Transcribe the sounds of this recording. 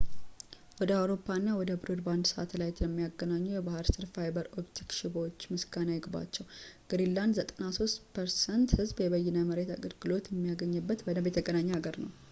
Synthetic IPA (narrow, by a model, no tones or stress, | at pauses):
wɔd̪əawɾo̞pːanːawɔd̪əbɨɾud̪band̪səʔa̰t̪lajt̪ləmːijaɡːənaɲːujɛbahɨɾsɨɾfajbəɾopt̪ʰikʃɪbwot͡ʃːmɨsɡanajɪɡba̰t͡ʃːɛwɡ̥ɾilːand̪zət̪ʼənaso̞st̪pʰəɾsɛnt̪hɨzbjɛβəjːɛnəməɾe̞t̪ʰa̰ɡəɾɡɨlo̞t̪jɛmːijaɡəɲːɛbːət̪bənəbjɛt̪ʰəɡənaɲːɛhaɡəɾnə̰w